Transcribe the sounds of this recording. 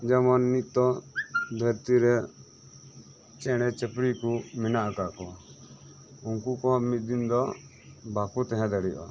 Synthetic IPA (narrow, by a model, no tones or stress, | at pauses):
d͡ʒamɔnːit̪̚t̪ɔd̪ʱəɾt̪iɾɛ | t͡ʃɛɽ̃ɛt͡ʃɛpɽikuminaʔakakɔ | uŋkukɔmit̪̚d̪ind̪ɔ | bakut̪ɛɦɛ̃d̪aɽijɔ̰